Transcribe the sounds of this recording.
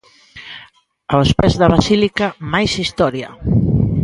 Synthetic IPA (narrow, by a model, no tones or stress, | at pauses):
awspɛzðaβasilikamajsist̪ɔɾja